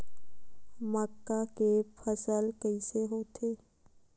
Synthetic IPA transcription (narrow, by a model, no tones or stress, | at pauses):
məkːakepʰəsəlkəiseɦoːt̪ʰeː